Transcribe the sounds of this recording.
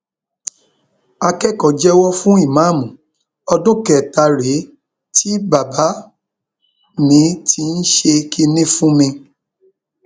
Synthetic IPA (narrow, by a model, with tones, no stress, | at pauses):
a˧kɛ˦˨kɔ˨d͡ʒɛ˦wɔ˦fũ˦i˦˨mã˦˨mũ˨ | ɔ˧dũ˦kɛ˨ta˧ɾe˨˦ | tʰi˦ba˨ba˨˦ | nĩ˨˦tʰi˧n̩˦ʃe˧ki˦˧nĩ˦fũ˦mĩ˧